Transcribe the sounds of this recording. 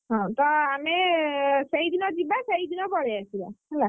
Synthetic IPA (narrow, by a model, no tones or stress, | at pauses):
ɦɔ̃t̪ɔameseid̪ʱinɔd͡ʒibaseɦid̪ʱinɔbɔɽeasila̰ela